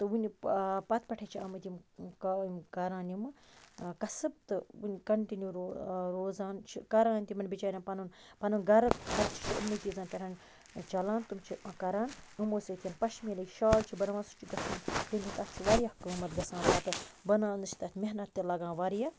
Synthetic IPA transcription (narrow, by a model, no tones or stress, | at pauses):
t̪ɨunʲpɐt̪ʰpʲɐʈʰet͡ʃʰiɐmɐt̪ʲjimkmkɐɾaːnjimɨkɐsɨb̚t̪ɨunʲkɐɳʈinjuːɾɾoːzaːnt͡ʃʰikɐɾãːnʲt̪imɐnbit͡ʃaːɾʲaːnpɐnunpɐnunɡɐɾkɐɾt͡ʃʰi̥t͡ʃʰiɐ̰mnit͡ʃizãːnpʲɐɾʰaːn | t͡ʃɐlaːnt̪umt͡ʃʰikɐɾaːnɨmoːset̪ʰjɐnpɐʃmilɐjʃaːlt͡ʃʰibɐnʋãːnsu̥t͡ʃʰiɡɐsɐnt̪inʲit̪ɐt̪ʰt͡ʃʰiʋaɾijahukuːmɐt̪̚ɡɐsãːnp̪at̪ɨbɐnãːnɨt͡ʃʰi̥t̪ɐt̪ʰʲmeɦnɐt̪ːʲilɐɡãːnʋaɾija